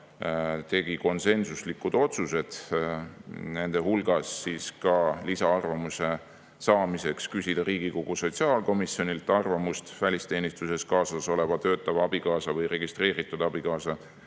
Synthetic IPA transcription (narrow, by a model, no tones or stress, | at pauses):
t̪e̞ɡ̥iko̞nse̞nsuslikːud̪̥o̞t̪suse̞d̪̥ | ne̞nd̪e̞ɦulɡ̥ɑsːiskɑlisɑɑrvɑmuse̞ | sɑːmise̞kskysʲid̪̥ɑɾiːɡ̥ikoɡ̥uso̞t̪ʲsiɑːlko̞misio̞nʲilt̪ːˑɑrvɑmust̪vælʲist̪e̞ːnist̪use̞skɑːsɑso̞le̞vɑt̪ø̞ːt̪ːˑɑvɑb̥ikɑːsɑvɤjre̞ɡist̪re̞ːɾit̪ːˑud̪ɑb̥ikɑːsɑ